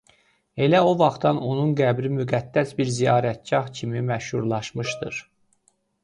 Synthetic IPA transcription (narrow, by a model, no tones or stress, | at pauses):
e̞læo̞vɑχt̪ɑno̞nunɡæbɾimyɡæd̪̥ːæsbiɾzijɑːɾæt̪̚d͡ʒɑɦcʰimimæʃhuɾlˠɑʃmɯʃd̪ɯɾ